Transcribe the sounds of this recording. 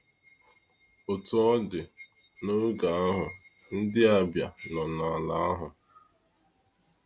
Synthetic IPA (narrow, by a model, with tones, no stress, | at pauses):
o˨tu˨ɔ˦dɪ˨ | no˦ɾu˦ɡa˨a˦ɦʊ˨n̩˦dɪ˦a˨bja˨nɔ˨na˨la˨a˦ɦʊ˨